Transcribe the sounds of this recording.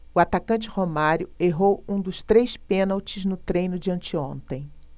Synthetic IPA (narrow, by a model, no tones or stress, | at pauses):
ʊat̪akɐ̃nt͡ʃɪhomaɾjʊeɦowũd̪ʊst̪ɾejspẽnawt͡ʃɪznʊt̪ɾẽjnʊd͡ʒɪɐ̃nt͡ʃɪõnt̪ẽj̃